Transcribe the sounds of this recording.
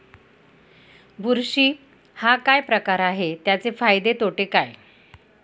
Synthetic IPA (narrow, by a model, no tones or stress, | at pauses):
bʱuɾɕiː | hakajpɾəkaɾaɦet̪jat͡sefajd̪et̪oʈekaj